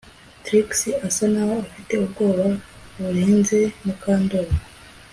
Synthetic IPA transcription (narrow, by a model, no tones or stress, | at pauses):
tɾiksiasanaːwoafite̞ub̚ɡo̞ːβa | βuɾeːnze̞mukaːndoɾa